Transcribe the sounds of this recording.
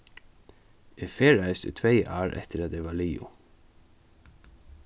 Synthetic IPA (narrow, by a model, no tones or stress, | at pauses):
ʔeːfeːɹæʉst̪ə̰t̪ʰʋeɪʔɑːɹʔɛ̰t̪ʰəɾɑt̪̚d̪eːʋɑːɭiːʊ̰